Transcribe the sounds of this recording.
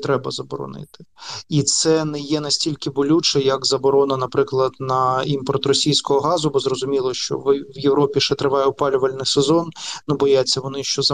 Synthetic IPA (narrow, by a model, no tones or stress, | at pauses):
t̪ɾɛbɐzɐbɔɾɔ̰nɪ̰t̪ɪ̥it̪sɛnɛjɛnɐsʲtʲilʲkɪbʊlʲut͡ʃɛjɐkzɐbɔɾɔnɐnɐpɾɪklˠɐd̪nɐimpɔrt̪rɔsʲijsʲkɔɦɔɦɑzʊbɔzrɔzʊmʲilˠɔʃt͡ʃɔ̰ʋwjeʋɾɔpʲiʃɛt̪ɾɪʋɑjɛwpɑlʲʊʋɐlʲnɪsezɔnnubɔjat͡sʲːɐʋɔnɪʃt͡ʃɔzɐ